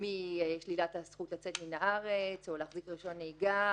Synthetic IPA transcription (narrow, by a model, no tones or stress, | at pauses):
mieʃlilathasχutlat͡setminaʔaʁet͡solaːχzikʁiʃo̞nejɡa